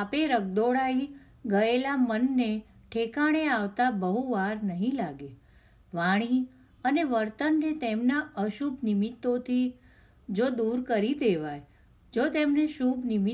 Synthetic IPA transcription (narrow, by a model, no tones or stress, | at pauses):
apeɾəɡ̚d̪oɽai | ɡəelamənːe | ʈʰekaɽ̃eaʋt̪abəɦuʋaɾnəɦĩlaɡe | ʋaɽ̃i | əneʋəɾt̪ənːet̪emnaəʃubnimit̪ːot̪ʰi | d͡ʒod̪uɾkəɾid̪eʋaj | d͡ʒot̪emneʃubnimi